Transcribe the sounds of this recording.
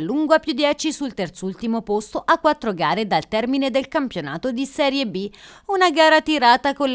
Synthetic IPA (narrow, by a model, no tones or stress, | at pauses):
lːuŋɡoapːjud̪ːjɛːt͡ʃisult̪ert̪sult̪imopost̪oʔakːwat̪ːɾoɡaːɾed̪alt̪ɛrmined̪elkampjonaːt̪od̪isɛːɾjebːiunaɡaːɾat̪iɾaːt̪akol